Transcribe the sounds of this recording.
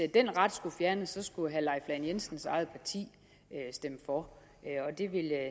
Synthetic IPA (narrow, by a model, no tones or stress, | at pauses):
d̥en̰ʁɑ̈d̥sɡ̥ufjæɐnəsɒ̽sɡ̥uɦælɑ̈ɪflæɪnjensn̩sɑ̈ɪð̞̩ˠpʰɑ̈t͡sʰḭː | øsd̥emfɒ̽ | ɒ̽d̥e̝ʋe̝l